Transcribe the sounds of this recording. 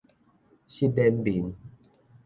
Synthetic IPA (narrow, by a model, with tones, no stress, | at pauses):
ɕi˦dɛ˦m˦bi˨n